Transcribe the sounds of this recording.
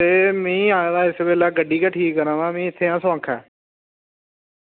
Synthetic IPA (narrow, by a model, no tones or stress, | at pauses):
t̪eːmɛ̃ĩːãːd̪aːɪsbeːlɛːɡəɖiːkaːʈʰiːkːəɾãːd̪aːmẽːɪt̪ʰːeːãːsʋãːkʰɛː